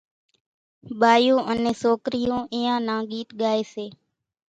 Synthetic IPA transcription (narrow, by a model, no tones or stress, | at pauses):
ɓaːjũːʔənẽːsoːkɾɪjõːʔɪːãːnãːɠiːt̪ɠaːeːseː